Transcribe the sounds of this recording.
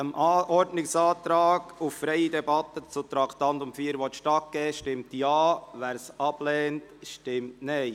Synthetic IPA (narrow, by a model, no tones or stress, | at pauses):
əmʔɑʔɔɾdnɪksɑːt̪ɾɑːɡ̥uffɾɛɪidɛbɑt̪ət͡sut̪ɾɑkʰt̪ɑnt̪ʊmfiːəɾʋɔt̪ʃtɑt̚ɡ̥ɛːʃtɪmtjɑːʋæːɾsɑb̥lɛːntʃtɪmtnɛɪ